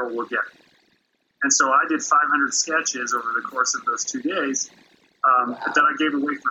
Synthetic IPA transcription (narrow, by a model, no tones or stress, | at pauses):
lˠwɪlˠɡɛɾ̚ | ɨ̃nsoʊaɪdɨd̥faɪv̥hʌ̃ndɹəd̥skɛt͡ʃɪzoʊvə˞ðɨkʰɔɹsʌvðoʊz̥tʰʉdeɪz̥ | ʌð̥ɨ̃ɾaɪɡeɪvəweɪfɹʌ̃